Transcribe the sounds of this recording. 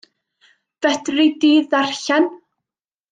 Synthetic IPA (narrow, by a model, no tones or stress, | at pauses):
v̥ɛdridiːðarɬan